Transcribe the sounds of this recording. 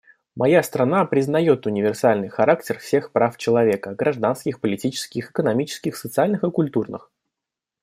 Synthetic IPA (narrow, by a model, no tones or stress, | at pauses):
mɐjast̪ɾɐnapɾʲɪznɐjo̞t̪ʊnʲɪvʲɪrsalʲnɨjxɐɾaktʲɪrfsʲe̞xpɾaft͡ɕɪlˠɐvʲe̞kəɡɾɐʐd̪anskʲɪxpəlʲɪtʲit͡ɕɪ̥skʲɪxɪkənɐmʲit͡ɕɪ̥skʲɪxsət̪sɨalʲnɨxɨkʊlʲt̪urnɨ̰x